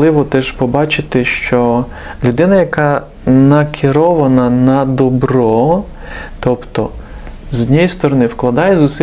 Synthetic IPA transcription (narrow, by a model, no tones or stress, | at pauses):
lˠɪʋɔt̪ɛʒpɔbɑt͡ʃɪt̪ɪʃt͡ʃɔ | lʲʊd̪ɪnɐjɐkɑ | nɐkʰɪɾɔʋɐnɐnɐd̪ɔbɾɔ | t̪ɔpt̪ɔ̰ | znʲɛjist̪ɔɾɔnɪwklˠɐd̪ɑjɛzʊsɪ